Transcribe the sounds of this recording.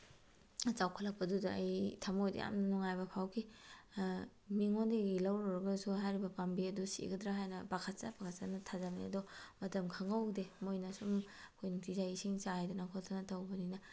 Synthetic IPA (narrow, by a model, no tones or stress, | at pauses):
t͡ʃawkʰɐlɐk̚pɐdudɐːjtʰamojd̰ja̰mnɐnuŋajbɐpʰawkʰi | miŋondeɡilɐwɾɔɾɐɡɐsuɦajɾibɐpambiɐdusḭɡɐdɾaɦajnɐbakʰɐtsabakʰɐt̚sanɐtʰazamnḭɐdɔmɐtɐmkʰɐŋɐwdemojnɐsumɐkʰojnuŋtizajisiŋt͡ʃaajdɐnakʰotʰɐnɐtɐwbɐninɐ